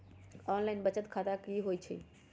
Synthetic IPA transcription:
ɔːnlaɪnbət͡ʃət̪kʰaːt̪akiɦoːjt͡ʃʰḭ

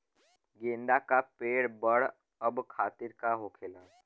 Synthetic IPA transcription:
ɡẽːnd̪akapeːɽbəɽ | əbkʰaːt̪ɪɾkaɦoːkʰeːlaː

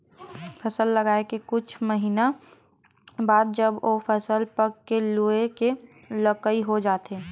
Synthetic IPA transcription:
pʰɐsəlːəɡaːekekʊt͡ʃʰməɦiːna | baːd̪̚d͡ʒəbʔopʰəsəlpəɾkelueke | ləkəiɦod͡ʒaːt̪eː

